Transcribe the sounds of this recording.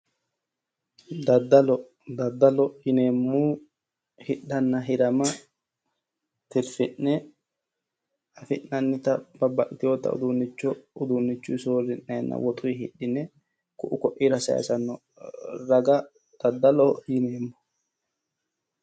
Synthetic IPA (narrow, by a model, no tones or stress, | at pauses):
d̪ɐd̪ɐlɔ | d̪ɐd̪ːɐlɔjɪneːmːuː | hɪɗːɐnːɐɦɪɾɐmɐ | t̪ɪɾfɪnnɛ | ɐfɪnːɐnːɪt̪ɐb̥ɐbɐkʼt̪ɪjod̪ːɐ̰ʊ̰d̪unːɪt͡ʃːɔʊd̪unːɪt͡ʃːuɪsoːrɪnːɛnːɐ̰wɔt̪ʼʊjhɪɗːɪnɛ | kʊʔʊkɔʔiːɾɐsɐ̰ːsɐnːɔ | ɾɐɡɐ | d̪̥ɐd̪ːɐlɔjɪneːmːʊ̥